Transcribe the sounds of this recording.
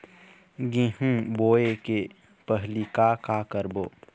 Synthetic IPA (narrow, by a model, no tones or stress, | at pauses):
ɡẽːɦũboːeke | pəɦlikakakəɾboː